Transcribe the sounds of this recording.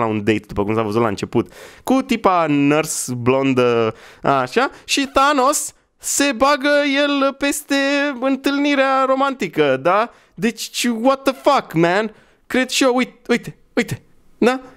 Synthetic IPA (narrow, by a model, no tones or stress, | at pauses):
laund̪ejt̪̚d̪upəkumsavəzut̪la̰ɨnt͡ʃe̞put̪kut̪ipanərsblo̞nd̪əa̰ʃaʃiθano̞sː | e̞baɡəje̞lpe̞st̪e̞ɨnt̪ɨlniɾeaɾo̞mant̪ikəd̪a | d̪e̞t͡ʃwɔt̪̚ːəfakmæn | kɾe̞d̪ʃioujt̪ujt̪e̞ | ujt̪e | d̪a